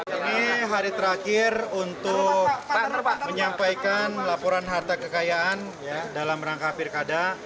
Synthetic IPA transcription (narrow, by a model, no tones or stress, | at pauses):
iniɦaɾit̪əɾakɪrunt̪ʊk̚mməɲampajkanlapɔɾanɦart̪akəkajaʔanjadalamɾaŋkafɪrkada